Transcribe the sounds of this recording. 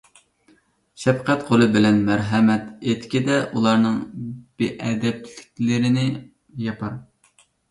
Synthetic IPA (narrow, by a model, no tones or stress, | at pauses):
ʃɛfqʰɛt̪qʰolˠɨbɪlɛnmæɾɦɛmɛt̪et̪kʲid̪ɛʔulˠɑɾnɨŋbeʔɛd̪ɛp̚ʰlɪkʲlɪɾɪnɪ | jɑpʰɑɾ